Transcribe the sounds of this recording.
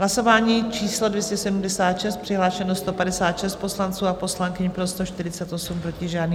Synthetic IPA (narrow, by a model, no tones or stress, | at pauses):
ɦlaso̞vaːɲiːt͡ʃiːslo̞dvjɛscɛsɛdumdɛsaːt̪ʃɛst̪̚pr̥ɪɦlaːʃɛnost̪o̞padɛsaːt̪ʃɛst̪̚po̞slant͡suːapo̞slaŋkɪɲpɾo̞st̪oʃt̪ɪɾɪt͡sɛt̪ʔo̞sumpɾo̞cɪʒaːdniː